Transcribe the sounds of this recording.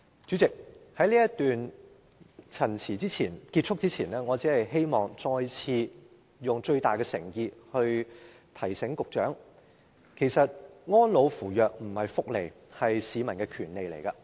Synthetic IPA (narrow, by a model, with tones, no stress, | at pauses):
t͡ʃyː˨˥t͡sɪ˨k̚hɐ˨˥jliː˥jɐ˥t̪yː˨n | t͡sʰɐ˨˩nt͡sʰiː˨˩t͡siː˥t͡sʰiː˨˩nki˧t̚t͡ʃʰʊ˥k̚t͡siː˥t͡sʰiː˨˩nlɛː˥ŋɔː˨˧t͡siː˨˥hɐ˨jɦe˥jmɔː˨ŋt͡sɔː˧jt͡sʰiː˧ | jʊ˨ŋt͡ʃɵ˧ɥt̪aː˨jkɛː˧sɪ˨˩ŋjiː˨˧hɵ˧ɥ | t̪ʰɐ˨˩jsɪ˨˥ŋkʊ˨k̚t͡ʃœ̰ː˨˥ŋ | kʰe˨˩jsɐ˨t̚ŋɔː˥nlo˨˧wfuː˨˩jœː˨k̚m̩˨˩hɐ˨jfʊ˥k̚le˨˩j | hɐ˨jsiː˨˧mɐ˨˩nkɛː˧kʰyː˨˩nle˨jlḛ˨˩jkɐ˧